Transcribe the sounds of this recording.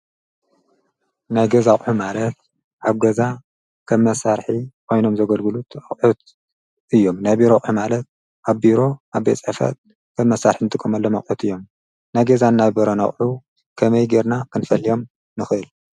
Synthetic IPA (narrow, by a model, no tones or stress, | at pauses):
najɡɐzaχʼħumalɐt̪̚ | ʔaβɡɐza | kʰɐmːɐsaɾħikʰo̞jno̞mzɐɡɐlɡɨlut̪ʰaχʼħut̪̚ | ʔɨjːo̞mnajbiɾoχʼħumalɐt̪̚ | ʔaβbiɾo̞aβbḛt͡sʼħfɐ̰t̪̚ | kʰɐmmːɐsːaɾħinɨt̪ʼɨkʼːɐmɐlːomɐχʼħut̪ʰɨjːo̞m | najɡɐzanːaβbɐɾonɐχʼħu | kʰɐmɐjɡeɾnakʰɨnfɐlijo̞m | nɨxɨɨl